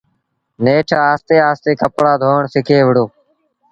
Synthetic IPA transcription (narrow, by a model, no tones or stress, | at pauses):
neːʈʰaːaːst̪eːaːst̪eːkəpɽaːd̪ʱoːɳsɪkʰeːʋəɽoː